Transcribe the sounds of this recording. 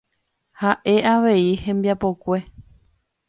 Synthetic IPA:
haʔe̞ʔaʋe̞ihẽ̞mbjapo̞kʷe̞

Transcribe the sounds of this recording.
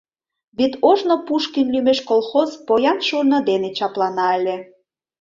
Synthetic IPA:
βit̪oʒnopuʃkinlymeʃkolˠxozpojɑnʃurnə̆d̪enet͡ɕɑplɑnɑə̆lʲe

